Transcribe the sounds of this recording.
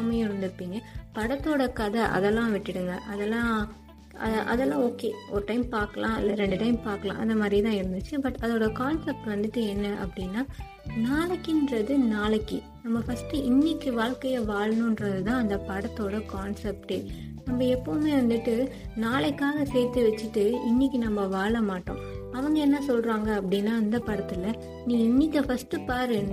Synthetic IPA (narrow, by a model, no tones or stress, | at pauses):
mɐɪɾɯnd̪ɯɾɯpːiːŋɡɐpɐɽɐt̪ːoːɽɐkɐðɐʔɐ̰ðɛlːãːʋɪʈːɪɽɯŋɡɐʔɐðɛlːãː | ʔɐ̰ðʔɐ̰ðɛlːãːoːkeːʔɔɾɯʈɐɪmpaːɾkɐlʔãːɪlːɐɾɛɳɖɯʈɐɪmpaːɾkːɐlã̰ːʔɐ̰ðɐmaːd̪ɾit̪ãːɪɾɯnd̪ɯt͡ʃːɯbɐʈːɐðoːɽɐkaːnsɛp̚ʈʋɐnd̪ɯʈːɯɛnːɐʔɐ̰pːɐɽɪnːaː | naːɭɐkːɪndɾɐðɯnaːɭɐkːi | nɐmːɐfɐsʈɯɪnːɪkːɯʋaːɭkɐjɐʋaːɭɐnʊ̃nɾɐðɯt̪ãːɐnd̪ɐpɐɽɐt̪ːoːɽɐkaːnsɛp̚ʈeː | nɐmbɐɛpːoːmeːʋɐnd̪ɯʈːɯ | naːɭɛkːaːɣɐseːɾt̪ːɯʋɛt͡ʃːɯʈːɯɪnːɪkːɯnɐmːɐʋaːɭɐmaːʈːõ̰ː | ɐʋɐŋɡɐɛnːɐsɔlɾaːŋɡɐɐpːɐɽɪnːaːɪnd̪ɐpɐɽɐt̪ːɪlɐ | nĩːɪnːɪkːɐfɐsʈɯpaːɾɯn